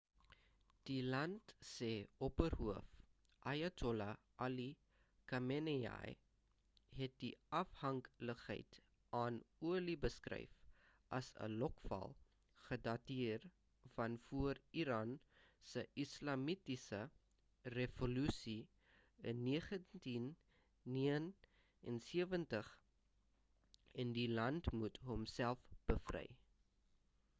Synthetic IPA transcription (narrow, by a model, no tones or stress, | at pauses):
d̥ilɐntsɛːɔpərɦuəf | ʔɐjɐtʰɔlɐ | ʔɐli | kɐmenea̰j | ɦɛt̚diɐfhɐŋkləχɦə̰jt | ɑːnuəlibəskrɛ̰jf | ʔɐ̰sə̰lɔkfɐ̰lˠ | χədɐtiər | fɐnfuəriɾɑːnsəʔislɑmitisə | revolysi | ənːiəχəntinː | iən | ɛnsiəvəntəχ | ɛndilɐntmutɦɔmsælˠfb̥əfrɛ̰j